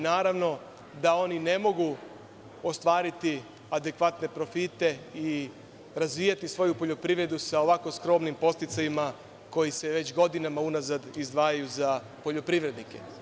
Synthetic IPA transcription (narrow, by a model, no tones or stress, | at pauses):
naːɾaʋno̞ | d̪ao̞nine̞mo̞ɡu | o̞st̪ʋaːɾit̪i | ad̪e̞kʋat̪ne̞pɾo̞fit̪e̞i | ɾazʋiːjat̪isʋo̞jupo̞ʎo̞pɾiʋɾe̞d̪usao̞ʋako̞skɾo̞mnimpo̞st̪it̪sajima | ko̞jise̞ʋe̞t͡ɕɡo̞d̪inamaunazad̪izd̪ʋaːjajuza | po̞ʎo̞pɾiʋɾe̞d̪nikḛ